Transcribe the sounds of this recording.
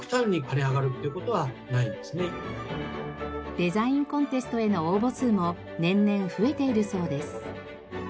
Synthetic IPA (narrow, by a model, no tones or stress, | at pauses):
kɯ̟̥t̪ãɲ̟ːikaɾeaɡaɾɯ̟t̪ːeiɯ̟kot̪o̞βa | naĩnd̪esɨne | d̪̥e̞zaĩŋkõ̞nt̪e̞sɨ̥t̪o̞e̞no̞oːbo̞t͡sɨːmo | nẽ̞nːẽ̞ɰ̃ɸɯ̟e̞t̪e̞iɾɯ̟so̞ːd̪e̞sɨ̥